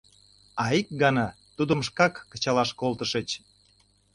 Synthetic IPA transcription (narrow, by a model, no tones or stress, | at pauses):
ɑik̚ɡɑnɑ | t̪ud̪ə̆mʃ̬kɑkːə̥̆t͡ɕɑlɑʃkolˠt̪əʃət͡ɕ